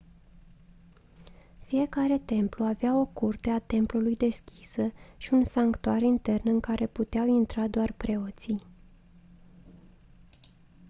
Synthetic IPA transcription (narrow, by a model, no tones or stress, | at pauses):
fije̞kaɾe̞t̪e̞mpluaveao̞kurt̪e̞at̪e̞mplulujd̪e̞skʲi̥səʃiunsaŋkt̪uaɾint̪e̞rnɨŋkaɾʔe̞put̪eawint̪ɾad̪oarpɾe̞o̞t̪si